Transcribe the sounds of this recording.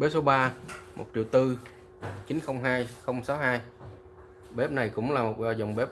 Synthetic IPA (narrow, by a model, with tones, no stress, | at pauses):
ɓe˨˦˥so˨˦ɓaː˧mo̰˨˩t̚t͡ɕḭ˧˨wt̪ɨ˧ | t͡ɕi˨˦nxə˧wŋ͡mɦaː˧jxə˧wŋ͡msaː˨˦wɦaː˧j | ɓe˦˥p̚na˨˩jkʊ̰˧˥ŋ͡mlaː˨˩mo˨˩t̚zɔ˧zə˨˩wŋ͡mɓe˦˥p̚